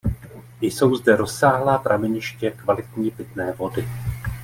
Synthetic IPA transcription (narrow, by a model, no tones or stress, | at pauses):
jso̞wzdɛɾo̞sːaːɦlaːt̪ɾavɪɲɪʃcɛkvalɪt̪ɲiːpɪt̪nɛːvo̞dɪ